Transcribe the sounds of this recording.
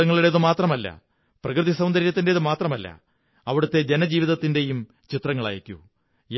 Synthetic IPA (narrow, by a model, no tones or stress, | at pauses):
ɐŋːɐɭuɽeðɨmaːt̪rɐmɐlːɐ̰ | prɐkrɨðisɐwnd̪ɐɾjɐt̪ːinde̞ðɨmaːt̪rɐmɐlːɐ̰ | ɐʋiɽɐt̪ːe̞d͡ʑe̞nɐd͡ʑiːʋiðɐt̪ːinde̞jum | t͡ɕit̪rɐŋːɐɭa̰ːjikʲːṵ | j